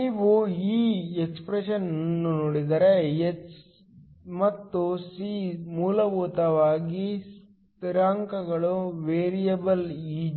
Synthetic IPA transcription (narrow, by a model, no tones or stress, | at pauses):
niːʋuiːekspɾeʂɐnnːunoːɽid̪ɐɾejet͡ʃ | mɐt̪ːusimuːlɐʋuːt̪ɐʋaːɡis | t̪iɾaːŋkɐɡɐɭuʋeːɾijɐbɐliː